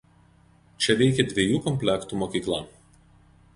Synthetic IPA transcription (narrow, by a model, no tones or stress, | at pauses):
t͡ʃʲɛʋʲɛɪkʲɛd̪ʲʋʲeɛjuːkɔmʲpʲlʲɛkt̪uːˑmoːkʲiːklˠɑˑ